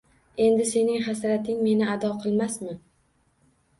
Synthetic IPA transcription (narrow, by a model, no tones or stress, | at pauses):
e̞nd̪ɪse̞nɪŋχasɾat̪ʰɪŋme̞nɪad̪ɒqʰɨlˠmasmɪ